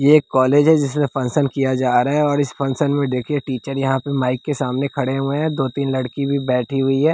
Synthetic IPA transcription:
jeeːkːɔːleːd͡ʒɦɛd͡ʒɪs̬mẽfɐ̃nsənkijad͡ʒaːɾaɦɛɔːɾɪsfɐ̃nsənmẽd̪eːkʰieʈiːt͡ʃəɾjɐɦãpemaːɪkːesaːmnekʰɐɽeɦʊeɦɛ̃d̪oːt̪iːnlɐɽkibʱibɛːʈʰiɦʊiɦɛː

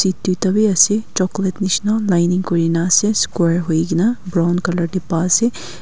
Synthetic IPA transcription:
sit̪ːjut̪ɐbiɐset͡ʃɔklet̪niʃnalajniŋɡkoɾinaseskweːɾɦoiɡinabɾawnkɐlɐɾɖipaːse

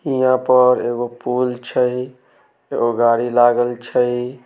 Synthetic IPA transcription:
hijãpəɾeɡopult͡ʃʰəj | eɡoɡaɽilaɡəlt͡ʃʰəj

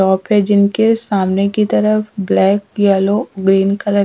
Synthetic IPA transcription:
ɔːpɦɛd͡ʒɪnkesaːmnekit̪ɐɾəfblɛːkjɛːloɡɾiːnkɐlə

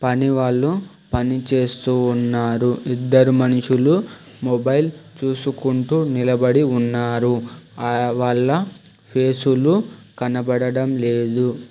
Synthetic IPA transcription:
pɐniʋaːɭːu | pɐnit͡ʃe̞ːst̪uːnːaːɾuid̪ːɐɾumɐnʂulu | mobɐjlt͡ʃuːsukuɳʈuːnilɐbɐɽiunːaːɾu | ʋaːɭːɐ | pʰe̞ːsulukɐnɐbɐɽɐɽɐmle̞ːd̪u

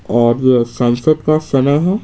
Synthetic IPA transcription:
ɔːɾsɐ̃nsəd̪kasɐnaɦ

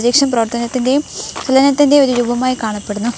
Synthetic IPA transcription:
ðiːkʂɐmprɐʋɐrt̪ɐnɐt̪ːinde̞kɐlɐnɐt̪ːinde̞o̞ɾuɾuːbʱɐmaːjikaːɳɐpːeɽunːu

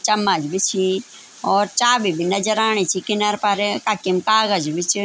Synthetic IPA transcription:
t͡ʃɐmːad͡ʒbit͡ʃʰi | ɔːɾt͡ʃaːbibʱinɐd͡ʒəɾaːɳ̃it͡ʃʰikɪnaɾpaɾekakimkaːɣəd͡ʒbit͡ʃ

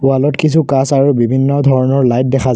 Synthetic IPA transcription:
ʊalɔtkis̬ʰukasaɹubibʱinːɔdʱɔɹɔnɔɹlajt̚dɛxʰa

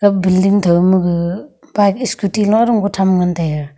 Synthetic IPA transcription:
ɡabildiŋtʰawmɯɡɯbajk̚iskutilɔŋaɾuŋɡɔtʰamŋantaja

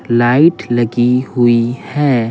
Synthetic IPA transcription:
laːɪʈlɐɡihʊihɛː

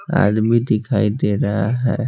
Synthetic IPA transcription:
a̰ːd̪mid̪ɪkʰaːid̪eːɾaɦaɦɛ

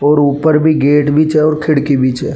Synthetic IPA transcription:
ɔːɾuːpəɾbʱiɡeːʈbʱiːt͡ʃɦɛɔːɾkʰɪɽkibiːt͡ʃɦɛː

